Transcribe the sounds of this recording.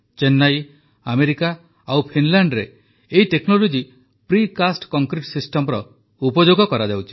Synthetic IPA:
t͡ʃenːaj | ameɾika | awpʰinlaɳɖɾe | eiteknolod͡ʒi | pɾikasʈkɔŋkɾiʈsisʈɔmɾɔ | upɔd͡ʒoɡɔkɔɾad͡ʒawt͡ʃʰi̥

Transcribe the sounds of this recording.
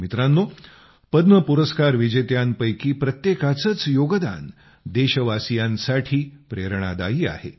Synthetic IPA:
mit̪ɾanːo | pəd̪nəpuɾəskaɾʋid͡ʑet̪janpəjkiːpɾət̪jekat͡sət͡sjoɡəd̪a̰n | d̪eɕəʋasijãnsaʈʰiːpɾeɾɳ̃a̰d̪a̰iːa̰hḛ

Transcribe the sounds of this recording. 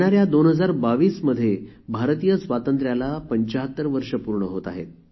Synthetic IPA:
ɽaɾjad̪onɦəd͡zaɾbaʋiːsməd̪ʱːje | bʱaɾt̪ijəsʋat̪ənt̪ɾjalapəɲt͡ɕaɦət̪ːəɾʋəɾʂəpuɾɳəɦot̪a̰ɦḛt̪̚

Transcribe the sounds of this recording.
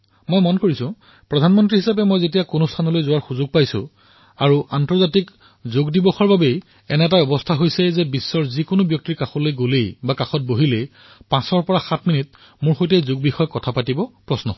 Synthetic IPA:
mojmɔnkoɹisʊ̃ | pɹɔdʱanmɔntɹiɦisap̬ɛmojzetijakʊnʊstʰanɔlojzʊwaɹxuzʊɡ̚pajsʊ̰̃ | aɹuʔantɔɹzatik | zoɡdibɔxɔɹbabej | ɛnɛtabɔbɔstʰaɦojsɛzɛbisːɔɹzikʊnʊbjɔk̚tiɹkaxɔlojɡolejbakãxɔt̚boɦilej | pãsɔɹpɔɹaxatʰminit | mʊɹxojt̬ɛjzoɡ̚bixɔjɔkːɔtʰapatibɔpɹɔsnɔ̰

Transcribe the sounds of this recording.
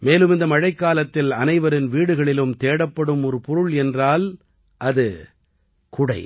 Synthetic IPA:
meːlɯmɪnd̪ɐmɐɻɐɪkːaːlɐt̪ːɪlɐnɐɪʋɐɾɪnʋiːɽɯɣɐɭɪlɯmt̪eːɽɐpːɐɽɯmɔɾɯpɔɾɯɭɛndraːl | ʔɐðɯ | kʊɽɐɪ

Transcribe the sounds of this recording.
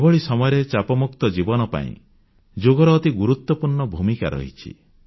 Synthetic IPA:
bɔɭisɔmɔjɔɾet͡ʃapɔmuk̚t̪ɔd͡ʒibɔnɔpa̰ḭ̃ | d͡ʒoɡɔɾɔːt̪iɡuɾut̪ːwɔpuɾɳɔbʱumikaɾɔ̰ɦḭt͡ʃʰḭ

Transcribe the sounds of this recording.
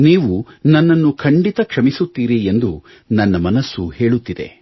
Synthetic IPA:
niːʋunɐnːɐnːukʰɐɳɖit̪ɐkʂɐmisut̪ːiːɾiend̪u | nɐnːɐmɐnɐsːuhe̞ːɭut̪ːid̪ḛ

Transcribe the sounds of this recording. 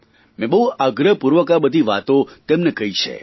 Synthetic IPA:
mẽbəɦuaɡɾəpuɾʋəkabəd̪ʱiʋa̰t̪ot̪emnekəɦit͡ʃʰḛ

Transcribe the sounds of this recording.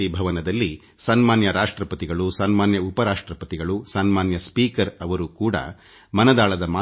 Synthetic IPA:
ibʱɐʋɐnɐd̪ɐlːi | sɐnmaːnjɐɾaːʂʈɾɐpɐt̪iɡɐɭusɐnmaːnjɐupɐɾaːʂʈɾɐpɐt̪iɡɐɭusɐnmaːnjɐspiːkɐɾɐʋɐɾukuːɽɐ̰ | mɐnɐd̪aːɭɐd̪ɐmaː

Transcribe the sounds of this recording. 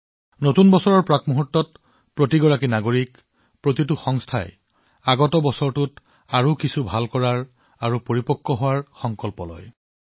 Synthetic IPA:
notunbɔsɔɹɔɹpɹakmuɦutːɔt̚ | pɹotiɡɔɹakinaɡoɹik | pɹotit̬uxɔŋstʰaj | aɡɔtɔbɔsɔɹtut | aɹukisubʱalkɔɹaɹ | aɹupoɹipɔkʰːɔɦowaɹxɔŋkɔlpɔlɔ̰j

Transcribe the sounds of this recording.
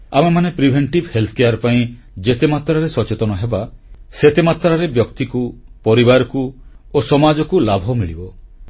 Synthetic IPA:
amemanepɾibʱeɳʈibhelt̪ʰɔ̥kejaɾpaĩ | d͡ʒet̪emat̪ɾaɾesɔt͡ʃet̪ɔnɔɦebaset̪emat̪ɾaɾebjɔkt̪ikupɔɾibaɾɔku | osɔmad͡ʒɔkulabʱɔmiɭibɔ

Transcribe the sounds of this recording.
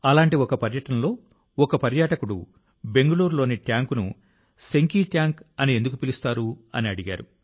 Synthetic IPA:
ɐlaːɳʈiɔkɐpɐɾjɐʈɐnɐlo̞ː | ɔkɐpɐɾjaːʈɐkuɽṵ | be̞ŋɡɐluːɾlo̞ːniʈjaːŋkunṵ | se̞ŋkiːʈjaːŋkɐniend̪ukupilust̪aːɾuɐ̰niɐɽiɡa̰ːɾu

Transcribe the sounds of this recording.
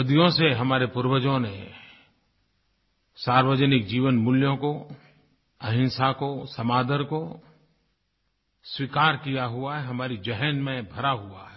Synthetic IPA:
ɐd̪ijõseɦɐmaːɾepʊɾwəd͡ʒõne | saːɾwəd͡ʒənɪk̚d͡ʒiːʋənmʊljõko | ɐɦɪ̃nsakosɐmaːd̪əɾko | swikaːɾkijaɦʊaɦɛɦɐmaːɾid͡ʒɛɦənmẽbʱɐɾaɦʊa̰ɦɛ

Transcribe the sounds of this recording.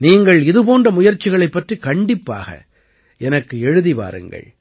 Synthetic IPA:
niːŋɡɐɭɪðɯpoːndrɐmʊjɐɾt͡ʃːɪɣɐɭɐɪpːɐʈrikɐɳɖɪpːa̰ːɣɐ̰ | ɛnɐkːɯɛɻɯðipa̰ːɾɯ̰ŋɡɐ̰ɭ

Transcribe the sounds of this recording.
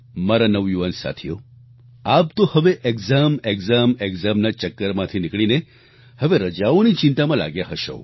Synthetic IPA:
maɾanəʋjuʋansa̰t̪ʰijo̰ | ap̚t̪ohəʋeʔeɡzameɡzameɡzamnat͡ʃəkːəɾmãt̪ʰinikɭine | həʋeɾəd͡ʒaonit͡ʃɪ̃nt̪amãla̰ɡjaɦəʃo̰

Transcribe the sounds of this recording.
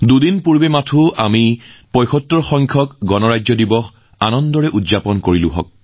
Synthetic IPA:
dudinpuɹbɛmatʰʊa̰mipɔjxɔtːɔɹxɔŋkʰɔkɡɔnɔɹajzɔdibɔx | anɔnddɔɹɛʔudzapɔnkoɹilʊ̰ɦɔ̰k̚

